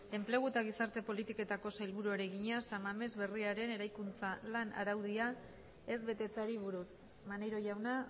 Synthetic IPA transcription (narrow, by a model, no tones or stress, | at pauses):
e̞mple̞ɣ̞uet̪aɣ̞isaɾt̪e̞po̞lit̪iko̞t̪ako̞sajlβuɾuaɾe̞ɣiɲasamame̞zβe̞riaɾe̞ne̞ɾajkunt͡salana̰ɾawðia | e̞zβe̞t̪e̞t͡saɾiβ̞uɾus | manejɾo̞ʝawna